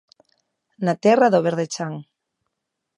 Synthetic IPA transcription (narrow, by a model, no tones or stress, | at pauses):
nat̪ɛraðoβeɾðet͡ʃaŋ